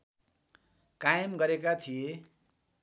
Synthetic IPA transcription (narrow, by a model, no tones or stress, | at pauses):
kajmɡʌɾekat̪ʰije